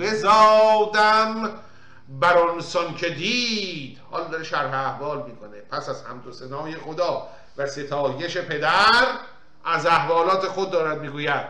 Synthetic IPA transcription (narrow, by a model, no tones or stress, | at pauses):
bezɒːd̪æm | bæɾɒnsɒncʰe̞d̪iːd̪̥hɒ̰ːld̪ɒɾeʃæɾɦeæhvɒːlmiːkʰonepʰæsæzhæmd̪osenɒːje̞xod̪ɒː | væse̞t̪ʰɒːjeʃe̞pʰe̞d̪æɾ | æzæhvɒːlɒːt̪ʰe̞xod̪̚ːɒːɾæd̪̚miːɡuːjæd̪̥